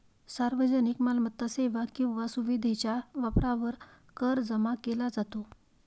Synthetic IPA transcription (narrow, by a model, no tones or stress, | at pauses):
saɾʋəd͡zənikmalmət̪ːaseʋakĩw̃ʋasuʋid̪ʱet͡ɕjaʋapɾaʋəɾ | kəɾd͡zəmakelad͡zat̪o